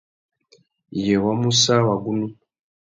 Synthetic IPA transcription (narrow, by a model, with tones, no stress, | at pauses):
jɛ˨wa˦mu˦sa˦wa˨ɡu˦nu˦